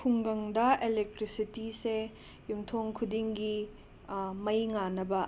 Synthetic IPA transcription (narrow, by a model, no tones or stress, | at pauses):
pʰuŋɡɐŋdɐelek̚tɾisitise | jumtʰoŋkʰudiŋɡi | mɐjŋanɐbɐ